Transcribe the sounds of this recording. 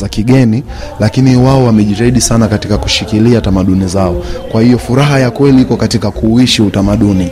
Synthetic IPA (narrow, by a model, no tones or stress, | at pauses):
akiɠɛni | lakiniwaɔwamɛʄitaiɗisanakatikaku̥ʃikiliatamaɗunizaɔkwahijɔfuɾaɦajakwɛliikɔkatikakuiʃiutamaɗuni